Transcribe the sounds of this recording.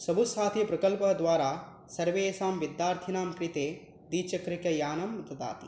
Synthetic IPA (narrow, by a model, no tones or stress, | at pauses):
sɐbʱusaːt̪ʰipɾɐkɐlpɐd̪ʋaːɾaː | sɐɾʋeːsaːmʋid̪jaːɾt̪ʰinaːmkɾit̪eː | d̪iːt͡ʃɐkɾikɐjaːnɐmːɐt̪ɐd̪a̰ːt̪i